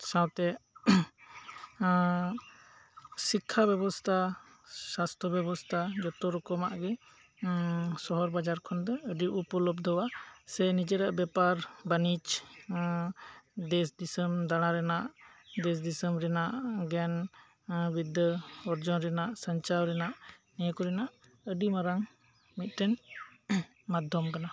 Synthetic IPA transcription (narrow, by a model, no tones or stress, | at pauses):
sãwt̪ɛ | sikʰːabɛbɔst̪ʰa | sast̪ɾɔbɛbɔst̪ʰad͡ʒɔt̪ɔɾɔkɔmaʔɡɛ | sɔɦɔɾbad͡ʒaɾkʰɔnd̪ɛəɖiʔupɔlɔbd̪ɔwasɛnid͡ʒɛɾaʔbɛpaɾbanit͡ʃ | d̪ɛsd̪isəmd̪aɽ̃aɾɛnaʔd̪ɛs̬d̪isəmɾɛnaʔɡɛn | bid̪ʱəɔɾd͡ʒɔnɾɛnaʔsaɲt͡ʃawɾɛnaʔnɛjkɔɾɛnaʔ | əɖimaɾaŋ | mit̪̚ˀʈɛn | mad̪ʱɔmkana